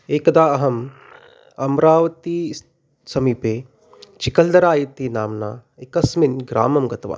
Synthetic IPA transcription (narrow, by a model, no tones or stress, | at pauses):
eːkɐd̪aːɐɦɐm | ɐmɾaːʋɐt̪i | sɐmiːpeː | t͡ʃikɐld̪ɐɾaːjit̪iːnaːmna̰ːikɐsminɡɾa̰ːmɐmɡɐt̪ɐʋa̰ː